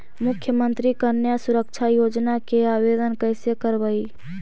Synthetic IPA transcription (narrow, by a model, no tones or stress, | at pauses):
mʊkʰjəmə̃nt̪ɾikəɾnjasʊɾəkʃʰajoːd͡ʒnakeaːʋeːd̪ənkəɪsekəɾbəiː